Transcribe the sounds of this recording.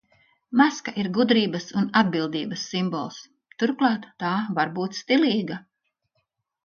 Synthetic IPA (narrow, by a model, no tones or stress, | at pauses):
maskaʔiɾɡud̪ɾiːbɐsunad̪̚bilˠd̪iːbɐsːimbɔ̰lˠs | t̪uɾklˠɑːt̪ːaːvaɾbuːt̪st̪iliːɡa